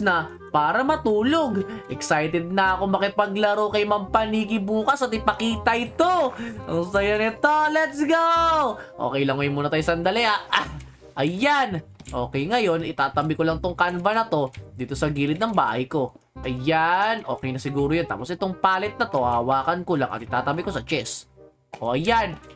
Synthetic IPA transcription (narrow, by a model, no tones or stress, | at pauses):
snɐ | paːɾɐmɐt̪uːloɡʔɛksajt̪ɛd̪̚nɐɐkomɐkɪpɐɡlɐɾokɐjmɐmpɐniːɡɪbuːkɐsɐt̪ɪpɐkiːt̪ɐjt̪oʔɐŋsɐjɐnɪt̪olɛt̪sɡoʔo̰ːkɛjlɐŋːkɐjʊŋmuːnɐt̪ajsɐnd̪ɐlɛaʔ | ʔɐjanʔo̞ːkɛjŋɐjo̞nɪt̪aːt̪ɐbɪkolɐŋt̪oŋkanvɐnɐt̪o̞d̪iːt̪osɐɡiːlɪt̪̚nɐŋba̰ːhɐjko̞ | ʔɐjanʔo̞ːkɛjnɐsɪɡuːɾojont̪a̰ːposʔɪt̪oŋpaːlɪt̪̚nɐt̪o̞hawaːkɐnkolaŋɐ̰t̪ʔɪt̪aːt̪ɐbɪko̞sɐt͡ʃɛs | ʔoʔɐjan